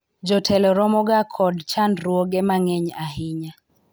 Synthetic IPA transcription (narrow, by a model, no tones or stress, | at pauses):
d͡ʒɔtʰɛlɔɾɔmɔɡakʰɔdt͡ʃandɾwoɡɛmaŋɛɲaɦɪɲa